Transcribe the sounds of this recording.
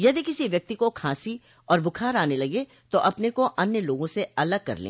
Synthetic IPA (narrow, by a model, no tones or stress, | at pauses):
jɐd̪ikɪsiʋjɐk̚t̪ikokʰãːsi | ɔːɾbʊkʰaːɾaːnelɐɡe | t̪oʔɐpnekoʔɐnjəloːɡõseɐləɡ̚kɐ̰ɾlḛ̃ː